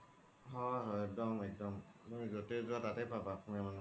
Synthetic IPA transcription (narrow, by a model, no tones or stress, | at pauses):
ɦɔɦɔɛk̚dɔmɛk̚dɔmtumizotezʊatatɛpabakumaman